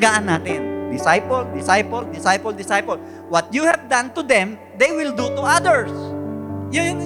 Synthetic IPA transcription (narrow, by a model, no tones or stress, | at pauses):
ɡaʔanːaːt̪ɪnd̪ɪsajpɔld̪ɪsajpɔld̪ɪsajpɔld̪ɪsajpɔl | wɐt̪̚juhɛvd̪ãnt̪ʊd̪ɛ̃m | d̪ejwɪld̪ut̪ʊʔad̪ɛɹs | jʊ